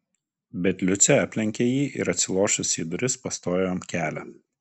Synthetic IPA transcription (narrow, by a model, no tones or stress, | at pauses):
bʲɛt̪ʲlʲʊt̪sʲɛɑːpʲlʲɪŋʲkʲejiːʔɪ̰ɾɐt̪ʲsʲɪlˠoːʃʊsiːd̪ʊɾʲɪspɐst̪oːjoːmkʲæːlʲɛ